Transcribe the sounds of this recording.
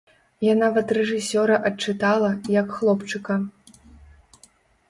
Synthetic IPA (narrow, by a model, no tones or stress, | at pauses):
janavɐt̪rɛʐɨsʲɔɾɐʔɐt͡ʂɨt̪alˠɐjɐkxlˠɔpt͡ʂɨkɐ